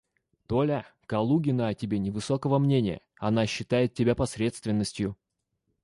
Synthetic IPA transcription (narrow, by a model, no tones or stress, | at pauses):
t̪olʲakɐlˠuɡʲɪnəɐtʲɪbʲenʲɪvɨsokəvəmnʲenʲɪjə̰ | ɐnaɕːɪt̪ajɪt̪̚ʲːɪbʲapɐsɾʲe̞t̪st̪vʲɪnːəsʲtʲjʊ